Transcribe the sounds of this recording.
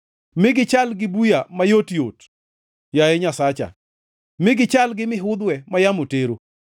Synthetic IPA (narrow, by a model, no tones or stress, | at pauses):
mɪɡɪt͡ʃalɡɪbujamajotjot | jajɛɲasat͡ʃa̰ | mɪɡɪt͡ʃalɡɪmɪɦʊd̪wɛmajamoteɾo